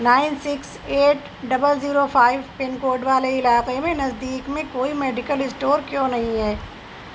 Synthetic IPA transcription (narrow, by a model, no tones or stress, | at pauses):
naːɪnsɪks | eːʈ | ɖɐbəlziːɾofʰaːɪʋpɪnkoːɾɖʋaːleɪlaːqemẽnɐzd̪iːkmẽkoːimɛːɖɪkəlɪsʈoːɾkjõːnɐɦĩɦɛː